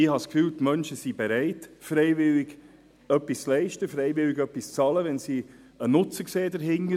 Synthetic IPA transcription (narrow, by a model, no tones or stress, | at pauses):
ɪhɑskfyːltmœnʃəsibeɾæɪtfɾeɪvɪlɪɡ | œpːist͡slɛɪʃtəfɾeɪvɪlɪɡœpːist͡sɑləʋɛnsi | ənʊt͡səkseːdəɾɦɪŋə